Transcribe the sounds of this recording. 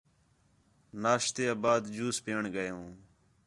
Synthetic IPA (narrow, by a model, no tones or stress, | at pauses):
naːʃt̪eːabaːd̪d͡ʒuːspeːɳɡəjõː